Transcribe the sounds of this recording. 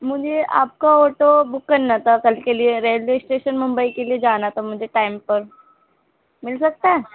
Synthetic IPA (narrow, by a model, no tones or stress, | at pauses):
mʊd͡ʒʱeʔa̰ːp̚kaoːʈobʊkːɐɾnat̪ʰakɐlkelieɾeːlweːsʈeːʃənmʊ̃mbəikelied͡ʒaːnat̪ʰamʊd͡ʒʱeʈaːɪmpɐɾ | mɪlsɐk̚t̪aɦɛ